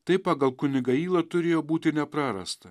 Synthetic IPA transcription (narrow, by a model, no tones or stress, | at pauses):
t̪ɐɪpɑːɡɐlˠkʊnʲɪɡɐiːlˠɐt̪ʊɾʲeːjoːbuːt̪ʲɪnʲɛpɾɑːɾɐ̰st̪ɐ